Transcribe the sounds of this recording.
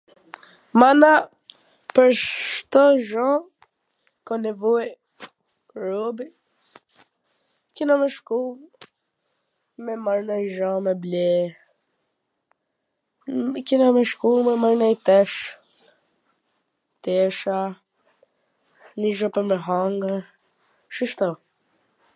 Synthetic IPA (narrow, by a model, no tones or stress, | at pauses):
mana | pəɾʃt̪ɔʒɔ̃ | kɔnɛvɔj | ɾɔbi | kinamɛʃkul | mɛmaɾnajʒɔ̃mɛblɛ | kinamɛʃkulmɛmaɾnɛjt̪ɛʃ | t̪ɛʃa | niʒɔpɛmɛɦaŋɡə | ʃiʃt̪ɔ